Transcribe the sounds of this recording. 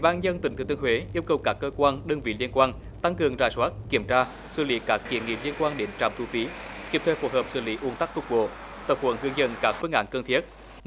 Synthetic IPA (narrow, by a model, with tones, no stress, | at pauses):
ɓaː˧nɲə˧nt̪ï˨˩˦ŋt̪ɨ˨˩t̪ɨ˧ŋhwe˨˦ʔi˧əwkə˨˩wkaː˦˥kːəː˧kwaː˧nɗəː˧ŋvḭ˧˨li˧ənkwaː˧n | t̪a˧ŋkɨ˨˩əŋzaː˧˩jswaː˦˥t̚ki˧˩əmt͡ɕaː˧ | sɨ̰˧˩li˨˦kaː˦˥k̚ːḭ˧˩ənŋḭ˧˩li˧ənkwaː˧nɗe˨˦nt͡ɕa̰ː˧˨mt̪ʰu˧fi˨˦ki˧˥əp̚t̪ʰe˧˨˩fo˨˧˩həː˨˩p̚sɨ̰˧˩li˨˦ʔu˨˦ənt̪a˦˥k̚t̪ʰʊ˦˥k͡p̚ɓo̰˧˨ | t̪ə˨˩p̚hwə̰˧˩˦nhɨ˧əŋzə̰˧˨nkaː˦˥k̚fɨ˧əŋʔaː˧˨˦nkəː˧nt̪ʰi˦˥ət̚